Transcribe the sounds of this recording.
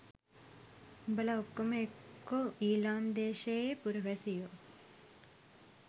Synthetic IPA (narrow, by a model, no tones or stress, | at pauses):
bəlaukːəməekːoʔiːlaːnd̪eːʃejepuɾuʋæsijo